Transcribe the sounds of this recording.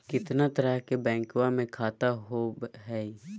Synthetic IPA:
kɪt̪nat̪əɾəɦkebɛ̃ːŋkʋãmẽkʰaːt̪aɦoːbɦɛː

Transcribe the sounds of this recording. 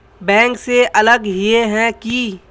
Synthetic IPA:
bɛ̃ːŋkseʔɐləɡɦieɦɛ̃ki

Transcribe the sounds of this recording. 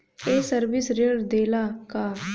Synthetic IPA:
eːsəɾʋɪsɾeɽd̪eːlaːkaː

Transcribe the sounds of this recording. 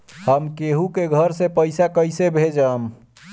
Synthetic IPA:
həmkeɦukeɡʱəɾsẽpəjsakəjsebʱed͡ʒəm

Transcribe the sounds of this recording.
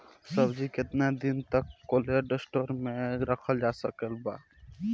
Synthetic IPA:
səbd͡ʒiket̪nad̪int̪əkːoleɖesʈoɾmeɾəkʰəld͡ʒasəkəlba

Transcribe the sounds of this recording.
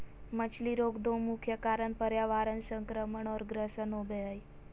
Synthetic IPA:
mət͡ʃʰliɾoɡd̪õmukʰjəkaɾəɳpəɾjaʋaɾənsə̃ŋkɾəməɳɔɾɡɾəsənobʱeəj

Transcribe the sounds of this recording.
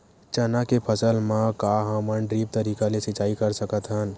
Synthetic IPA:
t͡ʃənakepʰəsəlmãkaɦəməɳɖɾiːp̚t̪əɾiːkalesɪt͡ʃaːikɐɾsəkət̪ɦən

